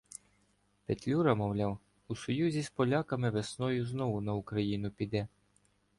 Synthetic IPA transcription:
pet̪ʲlʲuɾɐmɔwlʲɑw | usɔjuzʲispɔlʲakɐmɪʋesnɔjʊznɔwʊnɐʊkɾɐjinʊpʲid̪ɛ

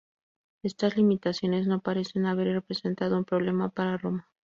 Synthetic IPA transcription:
e̞st̪azlimit̪asjo̞ne̞zno̞paɾe̞se̞naβ̞e̞ɾre̞pɾe̞se̞nt̪að̞o̞umpɾo̞β̞le̞mapaɾaro̞ma

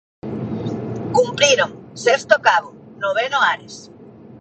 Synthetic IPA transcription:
kumpɾiɾoŋsest̪okaβʊnoβ̞enoaɾes

